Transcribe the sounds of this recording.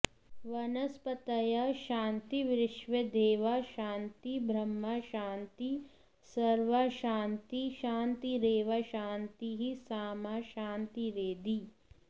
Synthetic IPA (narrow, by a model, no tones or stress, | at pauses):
ʋɐnɐspɐt̪ɐjaʃaːnt̪iʋɾɪʃʋed̪eːʋaʃaːnt̪ibɾɐmːɐʃaːnt̪i | sɐɾʋaʃaːnt̪iʃaːnt̪iɾeːʋɐʃaːnt̪iɦisaːmaʃaːnt̪iɾeːd̪i